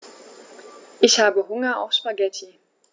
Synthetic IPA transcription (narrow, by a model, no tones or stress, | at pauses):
ʔɪçhaːbəhʊŋɐa̰ʊfʃpaɡɛtʰi